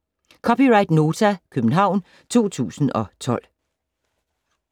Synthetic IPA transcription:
kʰɒ̽piʁɑ̈ɪd̥no̝ːt͡sʰækʰøb̥n̩ɦɑ̈ʊ̰n | t͡sʰo̝̰ːt͡sʰṵːsn̩ɒ̽t͡sʰɒ̽l̰

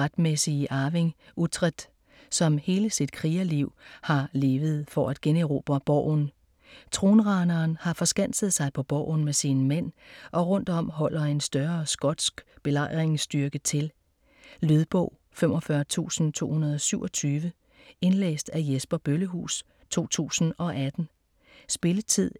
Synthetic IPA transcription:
ʁad̥mesiʔɑʋe̝ŋut͡sʰʁɛd̥ | sɒ̽mhe̝ːləsid̥̚kʰʁiːæliʊ̰hɑ̈le̝ːʋð̞̩ˠfɒæd̥ɡ̥eneʁo̝ːb̥ɐb̥ɒ̰ʊ̰n | t͡sʰʁo̝ːnʁɑ̈nɐːnhɑ̈fɒ̽sɡ̥æn̰səð̞̩ˠsɑ̈ɪpʰɒ̽b̥ɒ̰ʊ̰n̩mesiːnmen̰ʔɒ̽ʁɔ̽n̰d̥ɒ̽m̰ɦɒ̽l̰ɐe̝nsd̥ɶɐsɡ̥ɒ̽d̥sɡ̥b̥e̝lɑ̈ɪ̰ʁeŋsd̥yɐɡ̥ət͡sʰe̝l | løðˠb̥ɔ̽ʊ̰ | femɒ̽fɶɐt͡sʰṵːsn̩t͡sʰo̝̰ːhunɐð̞ˠɒ̽syʊɒ̽t͡sʰyːʋə | e̝nlḛːsd̥æjesb̥ɐb̥øləɦṵːs | t͡sʰo̝̰ːt͡sʰṵːsn̩ɒ̽ʔæd̥n̩ | sb̥e̝lət͡sʰið̰ˠ

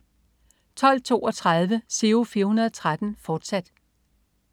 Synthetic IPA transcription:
t͡sʰɒ̽l̰t͡sʰo̝̰ːɒ̽t͡sʰʁɑðˠʋəse̝ːofiːɐhunɐðˠɒt͡sʰʁad̥n̩fɒːd̥sæd̥

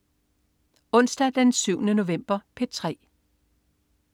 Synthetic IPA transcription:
ɔ̽n̰sd̥æd̥ensyʊnəno̝ʋem̰b̥ɐpʰe̥t͡sʰʁɛ̰ː

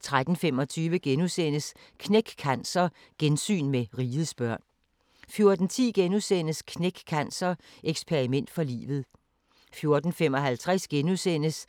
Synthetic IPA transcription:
t͡sʰʁad̥n̩femɒ̽t͡sʰyːʋəɡ̥enusen̰əs | kʰneɡ̥kʰænsɐ | ɡ̥ensy̰ːnmeʁiːð̩ˠsb̥ɶɐ̰n | fjo̝ɐd̥n̩t͡sʰḭːɡ̥enusen̰əskʰneɡ̥kʰænsɐʔeɡ̥spʰeʁimen̰d̥fɒ̽lḭːʋð̞̩ˠ | fjo̝ɐd̥n̩femɒ̽ɦælt͡sʰʁasɡ̥enusen̰əs

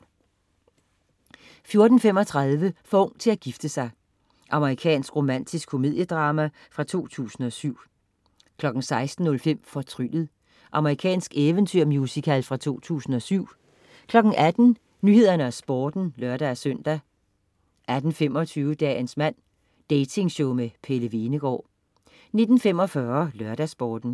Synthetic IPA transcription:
fjo̝ɐd̥n̩fem̰ɒ̽t͡sʰʁɑ̈ðˠʋəfɒɔ̽ŋ̰t͡sʰe̝æɡ̥ifd̥əsɑ̈ɪ | ʔɑ̈məʁikʰɛ̰ːnsɡ̥ʁo̝mæn̰d̥ʰisɡ̥kʰo̝mið̞̰ˠjəd̥ʁɑ̈ːmæ | fʁɑ̈t͡sʰo̝̰ːt͡sʰṵːsn̩ɒ̽syʊ̰ | kʰlɒ̽ɡ̥n̩sɑ̈ɪsd̥n̩ːɔ̽lfem̰fɒt͡sʰʁylð̩ˠ | ʔɑ̈məʁikʰɛ̰ːnsɡ̥eʋənt͡sʰyɐ̰mjusikʰælfʁɑ̈t͡sʰo̝̰ːt͡sʰṵːsn̩ɒ̽syʊ̰ | kʰlɒ̽ɡ̥n̩ʔæd̥n̩ | nyːhe̝ð̰ˠɐnəæsb̥ɒːd̥n̩lɶɐɾ̥æsœn̰d̥æ | ʔæd̥n̩fem̰ɒ̽t͡sʰyːʊəd̥ɛ̰ːnsmæn̰ | d̥eɪt͡sʰe̝ŋɕoʊmepʰeləʋinəɡ̥ɒ̰ː | ne̝d̥n̩fem̰ɒ̽fɶɐlɶɐɾ̥æsb̥ɒːd̥n̩

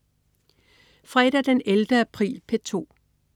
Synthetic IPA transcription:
fʁɛd̥æd̥eneld̥əæpʰʁḭːlpʰe̝t͡sʰo̝̰ː

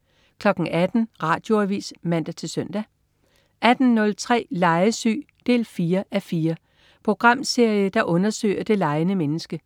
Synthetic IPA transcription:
kʰlɒ̽ɡ̥ŋ̩ʔæd̥n̩ʁɑ̰̈ːd̥jo̝æʋḭːsmæn̰d̥æt͡sʰe̝lsøn̰d̥æ | ʔæd̥n̩nɔ̽lt͡sʰʁɛ̰ːlɑ̈ɪəsy̰ːd̥e̝̰ːlfiːɐʔæfiːɐ | pʰʁo̝ɡ̥ʁɑ̈m̰se̝ɐ̰jəd̥ɑ̈ʔɔ̽nɐsø̰ɪɐd̥e̝lɑ̈ɪnəmenəsɡ̥ə

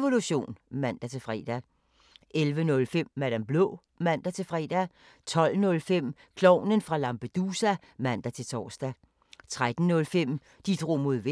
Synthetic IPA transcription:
ʋo̝luɕo̝̰ːnmæn̰d̥æt͡sʰe̝lfʁɛ̰ːd̥æ | ʔelʋənɔ̽lfem̰ːælæmb̥lɔ̰ː | mæn̰d̥æt͡sʰe̝lfʁɛ̰ːd̥æ | t͡sʰɒ̽l̰nɔ̽lfem̰ | kʰlɒʊ̰nənfʁɑ̈lɑ̈mpʰed̥usæ | mæn̰d̥æt͡sʰe̝lt͡sʰɒ̰ːsd̥æ | t͡sʰʁad̥n̩nɔ̽lfem̰ | d̥id̥ʁo̝̰ːmo̝ð̰ˠʋe

